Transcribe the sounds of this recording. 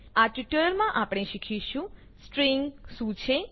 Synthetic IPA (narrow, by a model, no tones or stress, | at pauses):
aʈiʈəɾəɾmãʔapɽ̃eʃikʰiʃũ | sʈɾiŋɡʃũt͡ʃʰe